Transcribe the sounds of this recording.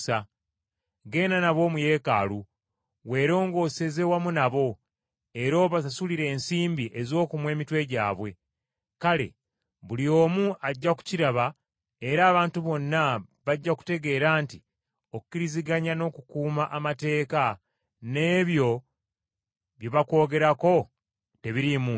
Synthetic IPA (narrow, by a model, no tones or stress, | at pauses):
sa | ɡe̞ːnanaβo̞ːmuje̞ːka̰lu | we̞ːɾo̞ːŋɡo̞ːse̞ze̞wamunaβo̞ | e̞ɾoːβasasuliɾe̞ːnsiːmbiʔe̞zo̞ːkumwe̞ːmitwe̞ɟa̰ːβwe̞ | kale̞̰ | βulio̞ːmuʔaɟːaku̥ciɾaβa | e̞ɾaːβaːntuβo̞nːaβaɟːaku̥te̞ɡe̞ːɾaːnti | oku̥kiɾiziɡaɲano̞ːkukuːmaʔamate̞ːka | ne̞ːβjo̞ | βjoβako̞ːɡe̞ɾako̞ | te̞βiɾimu